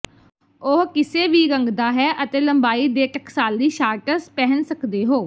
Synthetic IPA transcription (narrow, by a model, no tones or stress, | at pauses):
oɦkɪseːʋiːɡəŋɡd̪aːɦɛːʔət̪eːləmbaːiːd̪eːʈəksaːlːiːʃaːɾʈəɾspɛɦənsəkd̪eːɦoː